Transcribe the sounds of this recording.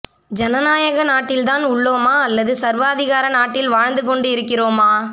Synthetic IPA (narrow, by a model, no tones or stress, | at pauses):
d͡ʒɐnɐnaːjɐɣɐnaːʈːɪlt̪aːnʊɭːoːmaːɐlːɐðɯsɐɾʋaːðɪɣaːɾɐnaːʈːɪlʋaːɻnd̪ɯkɔɳɖɯɪɾɯkːɪroːmaː